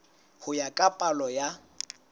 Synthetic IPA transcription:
hʊjakʼapʼalɔja

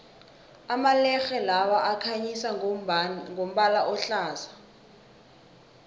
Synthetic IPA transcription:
amalɛxɛlawaʔakʰaɲisa | ŋʱom̩ɓalaʔɔɬaːza

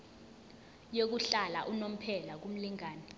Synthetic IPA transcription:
jok̬uɬala̰ʔunom̩pʰɛlak̬um̩liŋaːnɛ

